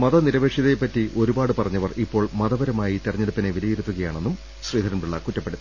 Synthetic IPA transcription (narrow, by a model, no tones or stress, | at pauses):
mɐðɐniɾɐʋe̞ːʂjiðepːɐtːiʔo̞ɾubaːɽɨpɐrɐɲːɐʋɐripːo̞ːɭmɐðɐʋɐɾɐmaːjit̪irɐɲːeɽupːineʋilɐjeɾut̪ːuɣɐjaːɳe̞nːum | ɕriːd̪ɐɾɐnbiɭːɐkutːɐpːeɽut̪ːɐ